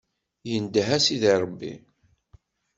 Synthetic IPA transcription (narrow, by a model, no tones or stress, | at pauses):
jənd̪ɦæsiðiɾˤbːḭ